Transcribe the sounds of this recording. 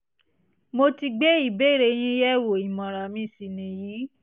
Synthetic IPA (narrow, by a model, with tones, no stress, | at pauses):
mo˧ti˧ɡ͡be˦i˦˨be˦˨ɾe˧j̃ĩ˦jɛ˦wo˨i˨mɔ̃˨ɾa˨mĩ˦˨si˨nĩ˨jiː˨˦